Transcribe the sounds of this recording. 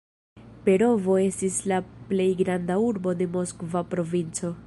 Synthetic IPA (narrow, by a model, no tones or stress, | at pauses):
pe̞ɾo̞vo̞e̞stislaple̞jɡɾandauɾbo̞de̞mo̞skvapɾo̞vint͡so̞